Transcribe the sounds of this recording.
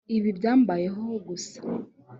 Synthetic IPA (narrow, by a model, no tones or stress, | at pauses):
iβibɟaːmbaje̞ɦoɡusḁ